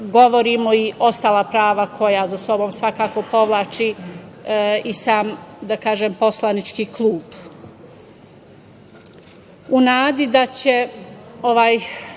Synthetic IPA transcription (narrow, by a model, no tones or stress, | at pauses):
ɡo̞ʋoɾimo̞iʔo̞st̪aːlˠapɾaːʋakʰo̞jazaso̞bo̞ːmsʋakaːko̞po̞ʋlˠaːt͡ʃi | isaːmd̪akaːʒempo̞slˠanit͡ʃkiːklˠuːb | unaːd̪id̪at͡ɕe̞oʋaːj